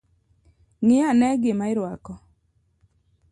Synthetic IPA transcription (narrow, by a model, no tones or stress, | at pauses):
ŋɪanɛɡɪmaɪɾwakɔ